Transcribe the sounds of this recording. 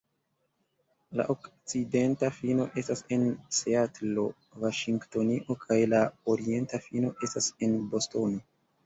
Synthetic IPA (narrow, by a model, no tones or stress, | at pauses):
la̰ʔokt͡side̞ntafino̞ʔe̞stase̞nseatlo̞ | vaʃiŋkto̞niʔo̞kʰajlaoɾie̞ntafino̞ʔe̞stase̞nbo̞sto̞no̞